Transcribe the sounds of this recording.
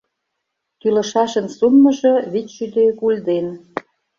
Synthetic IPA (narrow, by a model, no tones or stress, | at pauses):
kylə̆ʃɑʃə̆nsumːə̆ʒɤ̆βitʃyd̪økulʲd̪en